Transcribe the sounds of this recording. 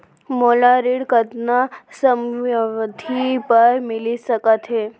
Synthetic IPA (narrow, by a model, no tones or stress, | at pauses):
molaɾiɽkəd̪nasəmʋd̪ʱipəɾmilisəkət̪ɦe